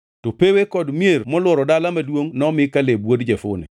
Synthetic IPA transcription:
topewekɔdmjermɔlwɔɾɔdalamadwoŋnɔmɪkalebwodd͡ʒefʊ̰nɛ̰

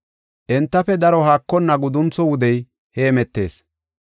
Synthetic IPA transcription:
ʔɛnt̪ːɐfɛd̪ɐɾɔhaːkːɔnːɐɡʊd̪ʊnt͡sɔwʊd̪ɛj | heːmɛt̪ːe̞̰ːs

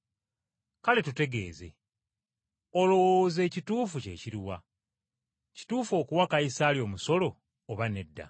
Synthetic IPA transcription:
kale̞tute̞ɡe̞̰ːze̞̰ | olo̞woze̞ːcituːfuce̞̰ːciɾiwa | ci̥tuːfo̞ːkuwakaisaːljo̞ːmuso̞lo̞ː | βane̞dːa̰

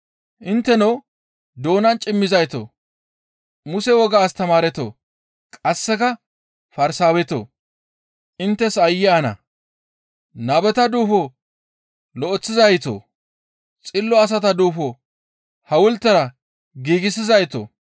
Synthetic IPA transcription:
ʔɪnt̪ːɛnow | d̪oːnɐnt͡ʃʼɪmːɪzɐjt̪o̰ː | mʊsɛwɔɡaːst̪ɐmaːɾɛt̪o̰ː | kʼɐsːɛkɐ | fɐɾsaːwɛt̪o̰ː | ʔɪnt̪ːɛsɐjːɪanɐ̰ | nɐbɛt̪ɐd̪uːfo | lɔʔɔt͡sːɪzɐjt̪o̰ː | t͡sʼɪlːɔɐs̬ɐt̪ɐd̪uːfo | hɐwʊlt̪ːɐɾɐ | ɡiːɡɪs̬ɪzɐjt̪o̰

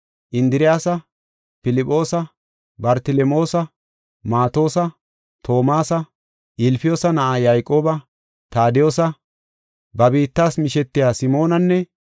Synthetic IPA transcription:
ʔɪnd̪ɪɾɪjaːsɐ | fɪlɪpʼːo̞ːsɐ | bɐɾt̪ɪlɛmo̞ːsɐ | maːt̪o̞ːsɐ | t̪ʰo̞ːmaːsɐ | ʔɪlfɪjo̞ːsɐnɐʔaːjaːjkʼo̞ːbɐ | t̪aːd̪ɪjo̞ːsɐ | bɐbiːt̪ːaːsmɪʃɛt̪ːɪjaːsɪmo̞ːnɐnːɛ

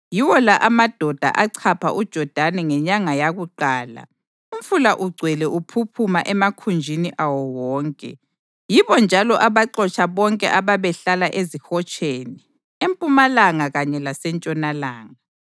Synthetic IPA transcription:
jiwɔlaʔamad̥ʱɔd̥ʱa̰ʔaǀʰapʰa̰ʔud̥ʒ̥ʱɔd̥ʱanɛŋɛɲaŋajaɣuǃaːla̰ | um̩fulaʔuɡ͡ǀʱwɛlɛʔupʰupʰumaʔɛmakʰund͡ʒʱiniʔawɔwɔːŋkʼɛ̰ | jiβɔnd͡ʒʱalɔʔaβaǃɔt͡ʃʰʼaβɔŋkʼɛ̰ʔaβaβɛɬalaʔezixɔt͡ʃʼʰeːni | empʼumalaŋaɣaɲɛlasɛnt͡ʃʼɔnalaːŋa

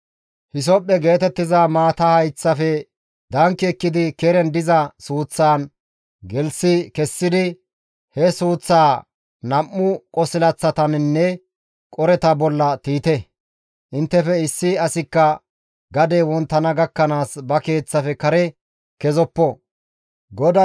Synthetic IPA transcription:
hɪs̬ɔpʼːɛɡe̞ːt̪ɛt̪ːɪzamaːt̪ɐhɐjt͡sːɐfɛ | d̪ɐŋkːɛːkːɪd̪ɪkɛɾɛnd̪ɪzɐsuːt͡sːaːn | ɡɛlsɪkɛsːɪd̪ɪ | hɛsuːt͡sːaː | nɐmːʊkʼɔsɪlɐt͡sːɐt̪ɐnnːɛ | kʼɔɾɛt̪ɐbɔlːɐt̪iːt̪ɛ | ʔɪnt̪ːɛfɛɪsːɪɐsɪkːɐ | ɡɐd̪ɛwɔnt̪ːɐnɐɡɐkːɐnaːsbɐke̞ːt͡sːɐfɛkɐɾɛ | kɛzɔpːɔ | ɡɔd̪ɐ

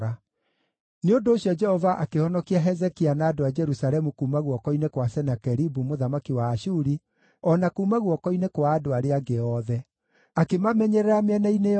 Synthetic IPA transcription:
a | neondoːɕjɔd͡ʒɛhɔvaʔakehɔnɔkiaɦɛzɛkianaːdoad͡ʒɛɾusaɾɛmukumaɣwɔkɔinekwasɛnakɛɾibumoðamakiwaːʃuɾi | ɔnakumaɣwɔkɔinekwaːdoaɾeaɡeɔðɛ | akemamɛɲɛɾɛɾamɛnaine

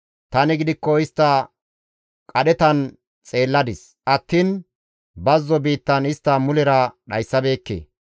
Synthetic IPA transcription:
t̪ɐnɪɡɪd̪ɪkːɔɪst̪ːɐ | kʼɐɗɛt̪ɐn | t͡sʼe̞ːlːɐd̪ɪs | ʔɐt̪ːiːn | bɐzːɔbiːt̪ːɐnɪst̪ːɐmʊlɛɾɐɗɐjsːɐbe̞ːkːḛː

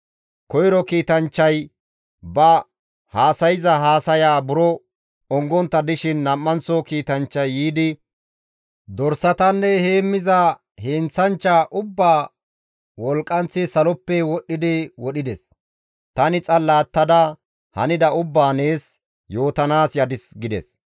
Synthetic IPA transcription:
kɔjɾɔkiːt̪ɐnt͡ʃːɐj | bɐ | haːsɐjɪzɐɦaːsɐjaːbʊɾɔ | ɔŋɡɔnt̪ːɐd̪ɪʃɪnːɐmːɐnt͡sɔkiːt̪ɐnt͡ʃːɐjːiːd̪ɪ | d̪ɔɾsɐt̪ɐnːɛheːmːɪzɐ | hent͡sɐnt͡ʃːaʔʊbːaː | wɔlkʼːɐnt͡sːɪsɐlɔpːɛwɔɗːɪd̪ɪwɔɗɪd̪ɛs | t̪ɐnɪt͡sʼɐlːaːt̪ːɐd̪ɐ | hɐ̰nɪd̪ɐʊbːaːneːs | jo̞ːt̪ɐnaːsjɐd̪ɪsɡɪd̪ɛ̰s

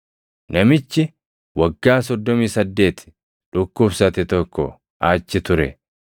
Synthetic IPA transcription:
nɐmɪt͡ʃːɪ | wɐɡːaːsɔd̪ːɔmiːsɐd̪ːe̞ːt̪ɪ̥ | ᶑʊkːʊbsɐt̪ɪt̪ɔkːɔ̰ | aːt͡ʃːɪt̪ʊɾɛ̰

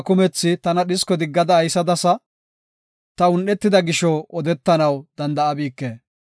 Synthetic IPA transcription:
kʊmɛt͡sːɪt̪ɐnɐɗɪskɔd̪ɪɡːɐd̪ɐːjsɐd̪ɐsɐ | t̪ɐʊnɗɛt̪ːɪd̪ɐɡɪʃɔɔd̪ɛt̪ːɐnɐwd̪ɐnd̪ɐɐbiːkːeː

